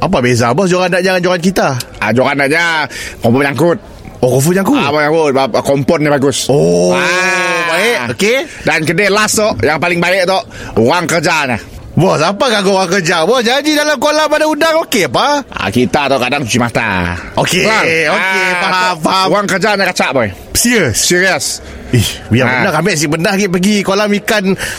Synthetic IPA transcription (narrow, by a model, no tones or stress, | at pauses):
apabezabɔsd͡ʒoɣandaʔ̚ɲakand͡ʒoɣankit̪a | a̰d͡ʒoɣandaʔ̚ɲakɔmpɔɲaŋkʊt̪̚ | okɔfuɲaŋkubɔɲaŋkʊt̪̚akɔmpɔtːibaɡʊso | baeʔoke | dankədelast̪ɔʔjaŋpalɪŋbaɪʔ̚t̪ɔʔ | oɣaŋkərd͡ʒaɲa | bɔsapaɡaɡoʔuaŋkərd͡ʒabɔhd͡ʒaɲd͡ʒidalamkolahpadaundaŋokeapaa̰kit̪at̪aʔkadaŋt͡ʃut͡ʃimat̪a̰okeaokepaapauɣaŋkərd͡ʒaɲakat͡ʃaʔbae | siəsːiɾiəs | ihbijanakamɛʔs̬iʔpəndahɡiʔpəɡikolamikan